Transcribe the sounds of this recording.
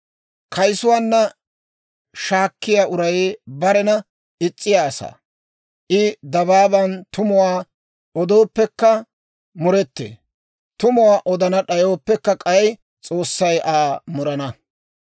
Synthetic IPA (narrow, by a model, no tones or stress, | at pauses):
kʰɐjsʊwaːnːɐ | ʃaːkːɪjaːʔʊɾɐjbɐɾɛnɐ | ɪt͡sʼːɪjaːsa̰ː | ʔɪd̪ɐbaːbɐnt̪ʊmʊwaː | ɔd̪o̞ːpːɛkːɐ | mʊɾɛt̪ːḛː | t̪ʊmʊwaːʔɔd̪ɐnɐɗɐjo̞ːpːɛkːɐkʼɐjj | t͡sʼo̞ːsːɐjʔaːmʊɾɐnɐ